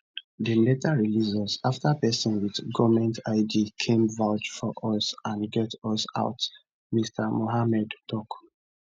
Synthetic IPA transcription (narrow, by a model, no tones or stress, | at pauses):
dəletaɹilizɔsaftapɛsɔ̃nwiðɡɔvmɛ̃ntaɪdikʰẽmvaʊd͡ʒfɔʔɔsãnɡɛtɔsa̰ʊt | mistʰamoɦamɛdtɔk